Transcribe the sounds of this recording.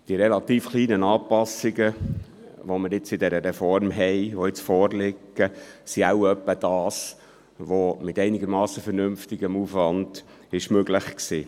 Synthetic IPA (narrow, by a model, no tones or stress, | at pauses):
d̥iəɾɛlɑt̪iːfχliːnənɑːpɑsɪɡə | ʋomɪɾɪt͡sɪdɛɾəɾɛfɔɾmɦɛɪʋoɪt͡sfɔːɾlɪkːəsiaʊœpːəd̥ɑːs | ʋomɪtɛɪniɡəɾmɑːsəfɛɾnʏmftɪɡ̥əmufʋɑnd̥ | ɪʃmøɡlɪχksiː